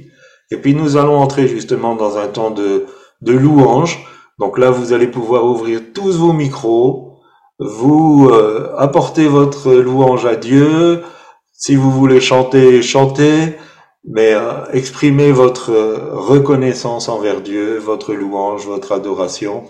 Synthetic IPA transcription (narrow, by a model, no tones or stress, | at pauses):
epɥinuzalɔ̃ɑ̃t̪χeʒyst̪əmɑ̃d̪ɑ̃zɛ̃t̪ɑ̃d̪ə | d̪əluɑ̃ʒ | d̪ɔ̃klavuzalepuvwaʁuvʁiʁt̪usvomikχo | vuøapɔʁt̪evɔt̪χəluɑ̃ʒad̪jø | sivuvuleʃɑ̃t̪eʃɑ̃t̪e | mɛøɛkspχimevɔt̪χəʁəkɔnɛsɑ̃sɑ̃vɛʁd̪jøvɔt̪χəluɑ̃ʒvɔt̪χad̪ɔʁasjɔ̃